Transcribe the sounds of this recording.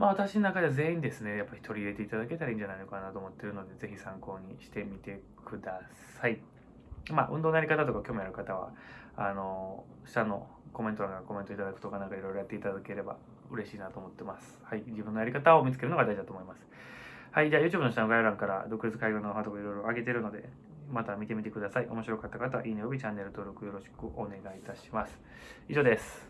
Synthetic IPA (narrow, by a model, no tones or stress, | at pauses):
maat̪aɕinonakad̪e̞aze̞ːĩnd̪e̞sɨne̞japːaɾʲi̥t̪ʰo̞ɾʲiːɾe̞t̪e̞it̪ad̪ake̞t̪aɾaĩɲd͡ʑanaino̞kanat̪oːmot̪ːe̞ɾɯ̟no̞d̪e̞ze̞çisãŋko̞ːɲ̟iɕi̥t̪e̞mʲit̪e̞ | kʰɯ̟d̪asai | maʔɯ̟̃nd̪onjaɾikat̪at̪o̞kakʲo̞ːmojaɾɯ̟kat̪aβ̞a̰ano̞ | ɕi̥t̪ano̞ | ko̞mẽ̞nt̪oaɡako̞ment̪o̞it̪ad̪akɯ̟̥o̞kanãŋkaiɾo̞jɾojat̪ːeit̪ad̪ake̞ɾe̞ba̰ | ɯ̟ɾe̞ɕiːnat̪oːmo̞t̪ːe̞masɨ̥haid͡ʑibɯ̟nːojaɾʲikat̪aomʲit͡sɨ̥ke̞ɾɯnoad̪aiʑid̪at̪oːmoimasɨ̥ | haid͡ʑaːjɯ̟ːt͡ɕɯːbɯno̞ɕit̪anoɡajaɾãŋkaɾa̰d̪o̞kɯ̟bet͡sɨ̥kaiɡʲonoɦad̪okoiɾo̞jɾo̞aɡe̞t̪̬e̞ɾɯ̟no̞d̪e̞̰ | mat̪amʲit̪e̞mʲit̪e̞kɯ̟d̪asaiʔo̞mo̞ɕiɾo̞kat̪ːakat̪aβa̰ʔiːnojobʲit͡ɕanːe̞ɾɯ̟t̪o̞ːɾo̞kɯ̟jo̞ɾo̞ɕi̥kɯ̟ʔo̞ne̞ɡait̪aɕi̥masɨ̥ | iʑo̞ːd̪e̞sɨ̥